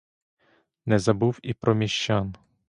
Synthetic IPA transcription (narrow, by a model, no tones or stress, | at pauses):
nɛzɐbuwipɾɔmʲiʃt͡ʃan